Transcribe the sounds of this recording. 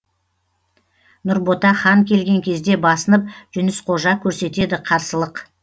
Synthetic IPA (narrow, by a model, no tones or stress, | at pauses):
nʊɾbo̞t̪ɑχɑŋkʲʰe̞lɡʲe̞ŋkʲʰe̞zd̪e̞bɑsənəp̚ʒ̥ʏnɪsqʰo̞ʒɑkʲʰɵɾse̞t̪e̞d̪ɪqʰɑɾsəlˠəq